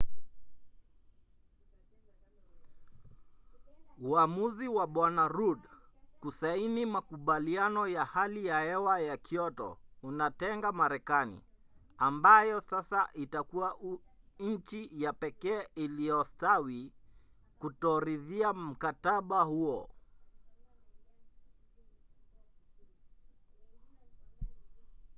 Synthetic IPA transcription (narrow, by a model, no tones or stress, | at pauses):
uamuziwaɓwanaɾudkusainimakuɓalianɔjahalijahɛwajakʰiɔtɔ̰unatɛŋɡamaɾɛkanḭ | ambajɔsasaʔitakuaʔ | ɲ̩t͡ʃijapɛkɛːiliɔstawi | kutɔɾiðiam̩kataɓahuɔ